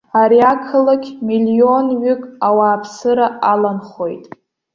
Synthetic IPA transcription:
aɾiakʰɨlakʲmilio̞nɥʏkʼawaːpʰsɨɾaʔalanχo̞jtʼ

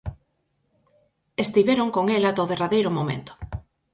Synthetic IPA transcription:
est̪iβeɾoŋkoŋelat̪oðeraðejɾʊmomḛnt̪ʊ̥

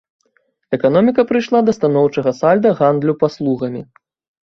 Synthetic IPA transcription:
ɛkan̪ɔmʲikɐpɾɨjʂlˠad̪ɐst̪anɔwt͡ʂɐɣɐsalʲd̪ɐɣand̪lʲupaslˠuɣɐmʲi

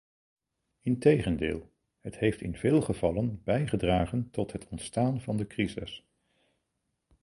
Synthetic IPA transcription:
ɪntejχəndɪ̰ːlˠ | ɦətɦejftɪnvɪːlˠχəvɑlənbɛjχədraːχəntɔtɦətʰɔntstaːnvɑndəkrizɪ̰s

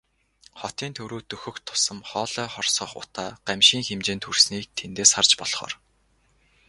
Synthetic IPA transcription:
χɔt̪iːnt̪ʰɵwɾuːt̪ɵxɵ̆kt̪ʰʊ̥sə̆mχɔːɮœːχɔrsɞ̆χʊ̰t̪aːɢ̥æmʃiːŋxemt͡ɕeːnt̪ʰɵrsniːk̚t̪ʰent̪eːsχart͡ɕpɔɮχɔ̰ːr

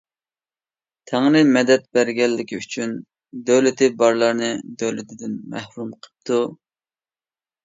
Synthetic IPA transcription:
t̪ʰæŋnɨmɛd̪ɛt̪̚bæɾɡʲɛlːɪkʲiyt͡ʃʰyn | d̪øwlɪt̪ʰɪbɑɾlˠɑɾnɨd̪øwlɪt̪ʰɪd̪ɪnmæhɾumqʰə̥p̚t̪ʰu

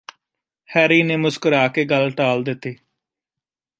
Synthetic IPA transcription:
hɛːɾiːneːmʊskəɾaːkeːɡəlʈaːld̪ɪt̪ːeː

